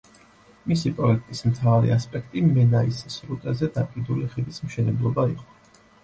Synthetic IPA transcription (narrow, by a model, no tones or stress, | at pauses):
misipʼɾɔɛkʰt̪ʼismt̪ʰavaɾḭaspʼɛk̚ʰt̪ʼimɛnaisisɾut̪ʼazɛd̪apʼiɾd̪uliχilismʃɛnɛblˠɔbaiqʼɔ̥